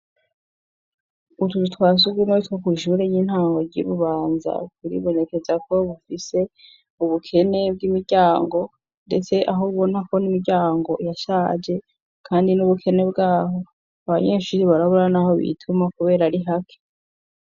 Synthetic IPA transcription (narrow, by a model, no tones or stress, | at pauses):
utututwaːs̬uɡwimoitwokiʃuɾeɲinhaːŋɡo̞ɾɟḭːβuβaːnza̰kuɾḭβo̞ne̞ke̞zako̞βufise̞ | uβukʰe̞ne̞b̚ɡimiɾɟaːŋɡo̞ | nde̞̰t͡se̞ʔaɦouβo̞nako̞nimiɾɟaːŋɡo̞jaʃaːd͡ʒe̞ | kʰaːndinuβukʰe̞ne̞bɡaːɦo̞ | aβaɲeʃuɾiβaɾaβuɾanaho̞βḭtʰumakuβe̞ːɾaɾiɦakʰe̥